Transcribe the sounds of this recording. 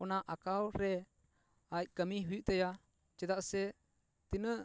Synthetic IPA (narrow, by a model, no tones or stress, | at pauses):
ɔnaʔakawɾɛ | ac̚ˀkəmiɦujuʔt̪ɛja | t͡ʃɛd̪aʔsɛ | t̪inəʔ